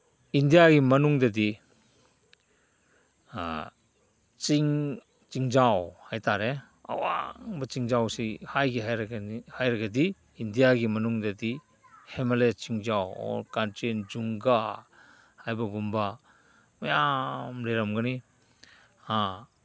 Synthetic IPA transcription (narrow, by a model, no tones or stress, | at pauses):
indijaɡimɐnuŋdɐdi | t͡ʃiŋ | t͡ʃiŋd͡ʒawhajtaɾe | a̰wa̰ŋbɐt͡ʃiŋd͡ʒawsihajɡiɦajɾhajɾɐɡɐdiː | ndijaɡimɐnuŋdɐdi | hemelet͡ʃiŋd͡ʒawɔ̰ɾkantend͡ʒuŋɡa | hajbɐɡumba | mɐjamɾeɾamɡɐni | ha